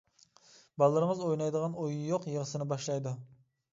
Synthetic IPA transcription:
bɑlˠːɨɾəŋəzojnɑjd̪əʁɑnojjoqjəʁəsɨnɪbɑʃlˠɑjd̪u

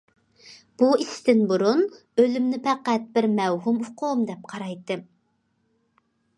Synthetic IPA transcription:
b̥uist̪ɪnbuɾun | ølymnɪpʰɛqæt̪̚bɪɾmɛwɦumʊqʰomd̪ɛp̚qʰɑɾɑjt̪ːɨ

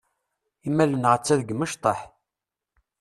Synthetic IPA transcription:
imælənʁət͡sːæðəɡməʃt̪ˤɑħ

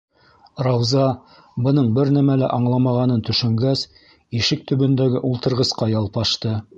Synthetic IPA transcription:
rɑwzɑ | bɤ̆nɤɴbɘɾnæmælæʔɑɴlˠɑmɑʁɑnɤnt̪ɵ̆ʃɵ̆ŋɡæs | iʃɘk̚t̪ɵ̆βɵ̆nd̪æɡɘʔulˠt̪ɤ̆ɾʁɤ̆sqɑjɑlˠpɑʃt̪ɤ

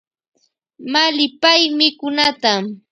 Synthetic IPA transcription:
malɪpajmɪkʊnat̪am

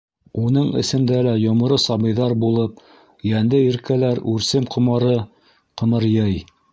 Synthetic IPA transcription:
unɤɴɘ̰̆sɘ̆md̪ælæjŏmɤ̆ɾɤsɑbɤ̆jðɑɾbulˠɤp̚ | jænd̪ɘiɾkælæɾʉɾsɘmqʰŏmɑɾɤ | qɤ̆mɤɾjɑj

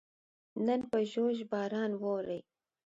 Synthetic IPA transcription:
nənpəʒoʒbɑːɾɑnwowɾəj

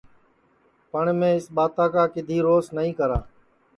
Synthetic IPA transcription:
pəɳmẽːɪsɓaːt̪aːkaːkɪd̪ʱiːɾoːsnəɦĩːkəɾaː

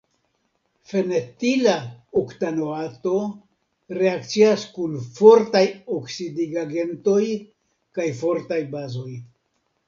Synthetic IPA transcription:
fe̞netilaoktanoato̞ | ɾe̞akt͡siaskunfo̞ɾtajoksidiɡaɡe̞nto̞j | kajfo̞ɾtajbazo̞j

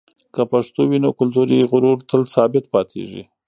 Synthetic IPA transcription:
kəpaʂt̪owinokʊlt̪uɾiɣʊɾuɾt̪əlsɑbɪt̪pɑt̪ʰḛʒḭ

